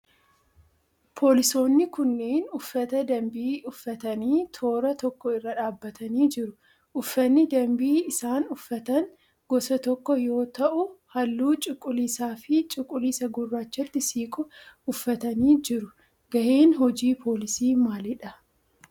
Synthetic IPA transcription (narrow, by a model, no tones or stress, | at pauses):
pʰo̞ːlɪso̞ːnːɪkʊnːeːnʊfːɐt̪ɐd̪ɐmbiːʊfːɐt̪ɐniːt̪ʰo̞ːɾɐt̪ɔkːɔɪrːɐᶑaːbːɐt̪ɐniːd͡ʒɪɾʊ | ʔʊfːɐnːɪd̪ɐmbiːɪsaːnʊfːɐt̪ɐŋ | ɡ̥ɔsɐt̪ɔkːɔjo̞ːt̪ɐʔʊhɐlːuːt͡ʃʼɪkʼːʊliːsaːfɪt͡ʃʼɪkʼʊliːsɐɡʊrːaːt͡ʃːɐt̪ːɪsiːkʼʊʊfːɐt̪ɐniːd͡ʒɪɾʊ | ɡɐheːnɦɔd͡ʒiːpʰo̞ːlɪsiːmaːlɪᶑɐ